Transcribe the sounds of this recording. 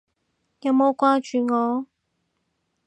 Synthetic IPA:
jɐ˨˧wmo˨˧wkʷaː˧˥t͡ʃyː˨ŋɔː˨˧

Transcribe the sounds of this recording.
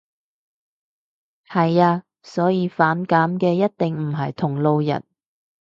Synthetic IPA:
hɐ˨jaː˧ | sɔː˨˥jiː˧faː˨˥nkaː˨˥mkɛː˧jɐ˥t̚t̪ɪ˨ŋm̩˨˩ɦɐ˨jt̪ʰʊ˨˩ŋlo˨˧wjɐ̰˨˩n

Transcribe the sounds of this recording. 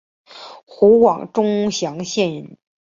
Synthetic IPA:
xu˧˥wɑ˨˩ŋʈ͡ʂʊ˥ŋɕjɑ˧˥ŋɕjɛ˥˩nɻn

